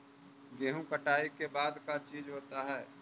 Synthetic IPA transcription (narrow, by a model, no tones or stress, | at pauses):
ɡeːɦũkəʈaːikebaːd̪kat͡ʃiːd͡ʒɦoːt̪aɦɛː